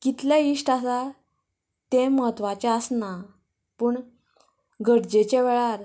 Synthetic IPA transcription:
kit̪ljaiʂʈasa | t̪ẽməɦət̪ʋat͡ɕaəsna | pəːɳ | ɡəɽd͡ʑet͡ɕeʋeɭaɾ

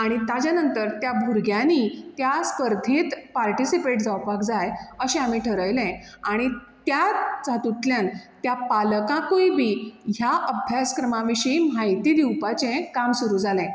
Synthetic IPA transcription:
aɽ̃it̪ad͡ʑjanənt̪əɾt̪jabʱuɾɡjãnit̪jaskəɾd̪ʱĩːt̪paɾʈisipeʈd͡zawpakd͡zajəɕɛ̃amiʈʰəɾəjlɛ̃aɽ̃it̪jad͡zʱat̪uʈ̪ljant̪japaləkãkujbʱiːɦjaʔəbʱjaskɾəmãʋiɕəim̤ajt̪iːd̪iwpat͡ɕɛ̃kamsuɾuːd͡zʱalɛ̃

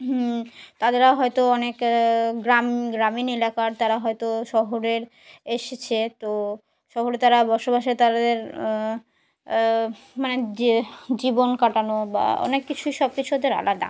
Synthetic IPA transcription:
ɦt̪ad̪eɾaɦɔjt̪oɔnekɡɾamɡɾaminelakaɾt̪aɾaɦɔjt̪oʃɔɦoɾeɾ | eʃet͡ɕʰet̪o | ʃɔɦoɾet̪aɾabɔʃobaʃet̪aɾad̪eɾ | mane | d͡ʑibonkaʈanoba̰ɔ̰nekːit͡ɕʰuiʃɔb̚kit͡ɕʰuad̪eɾa̰laɾd̪a̰

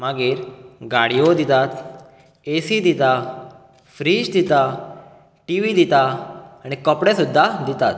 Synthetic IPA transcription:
maɡiːɾɡaɽijod̪it̪at̪ | esid̪it̪a | fɾiːd͡ʑd̪it̪a | ʈiʋid̪it̪aañikɔpɽɛsud̪ʱːad̪it̪at̪

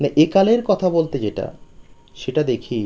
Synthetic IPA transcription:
naʔekaleɾkɔt̪ʰabolt̪ed͡ʑeʈa̰ | ʃeʈad̪ekʰi

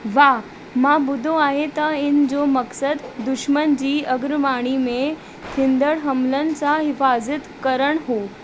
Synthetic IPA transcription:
ʋa | mãbud̪ʱoaɦet̪aind͡zoməksəd̪ːuʃmənd͡ʑiːəɡɾmaɽ̃ime | t̪ʰind̪əɽɦəmlənt͡saɦɪfazət̪kəɾəɳɦo

